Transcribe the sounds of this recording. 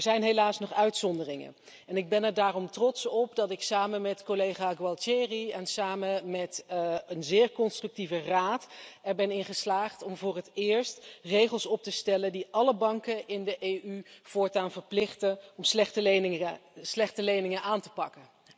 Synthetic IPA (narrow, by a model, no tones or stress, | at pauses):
ɛɹzɛjnɦelaːsnɔχœɥtsɔndərɪŋə̰ | ɛnɪɡ̚bɛnɛɹdaːrɔmtrɔtsɔpdɑtɪksaːmənmɛtkolejχaːɡwɑlˠtɛriɛnsaːməmɛtənzɪːɹkɔnstrɵk̚tivəraːtɛɹbɛnɪŋχəslaːχtɔmvʊːrətɪːɹstrejχəlˠsɔp̚təstɛləndiʔɑləbɑŋkəʔɪndəʔejyv̥ʊːɹtaːnvəɹplɪχtəɔmslɛχtəenslɛχtəlejnɪŋənʔaːntəpɑkə